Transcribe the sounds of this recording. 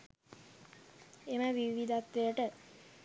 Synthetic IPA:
eməʋiʋid̪at̪ʋejəʈə

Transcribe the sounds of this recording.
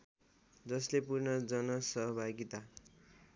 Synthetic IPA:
d͡zʌslepurnʌd͡zʌnʌsʌɦʌbʱaɡit̪a

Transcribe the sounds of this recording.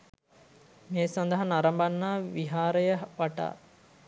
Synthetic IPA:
meːsɐnd̪əɦɐnaɾɐmbanːaːʋiɦaːɾəjəʋaʈa̰ː

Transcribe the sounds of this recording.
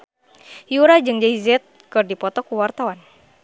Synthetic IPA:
juɾad͡ʒɨŋd͡ʒaizɛt̪̚kɨrdipɔt̪ɔkuwart̪awan

